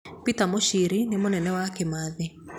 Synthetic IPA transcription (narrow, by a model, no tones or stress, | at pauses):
pitamoʃiɾinemonɛnɛwakemaːðe